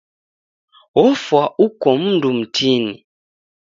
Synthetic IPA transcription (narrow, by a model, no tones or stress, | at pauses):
wɔfwaʔukɔm̩ndum̩tʰini